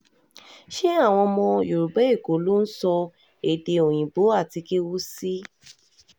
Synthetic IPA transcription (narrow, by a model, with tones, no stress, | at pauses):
ʃe˦a˦˨w̃ɔ̃˧mɔ̃˧jo˨ɾu˨ɡ͡bɛ˨˦i˦˨ko˨˦lo˦n̩˦sɔ˧ | e˨de˧o˨j̃ĩ˨bo˨˦a˦˨ti˧ke˦wo˦si˦